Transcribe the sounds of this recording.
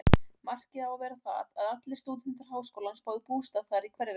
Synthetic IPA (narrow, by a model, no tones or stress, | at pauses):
mar̥cɪðawavɛːɾaθa̰ðaðat̪lɪst̪uːt̪̬ɪnt̪aɾ̥ɦaːwskowlanspaːwðɪpuːst̪aðθaɾikʰvɛɾɪ